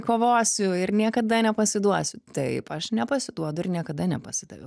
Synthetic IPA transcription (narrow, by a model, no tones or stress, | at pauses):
koːʋoːsʲʊɪɾnʲiɛkɐd̪ɐnʲɛpɐsʲɪd̪uɔsʲʊt̪ɐɪpɐʃnʲɛpɐsʲɪd̪uɔd̪ʊɪrnʲiɛkɐd̪ɐnʲɛ̰pɐsʲɪd̪ɐ̰ʋʲɛ̰